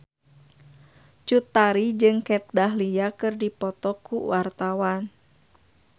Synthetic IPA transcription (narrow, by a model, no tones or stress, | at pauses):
t͡ʃut̪ːaɾid͡ʒɨŋkɛt̪̚daɦliakɨrdipɔt̪ɔkuwart̪awan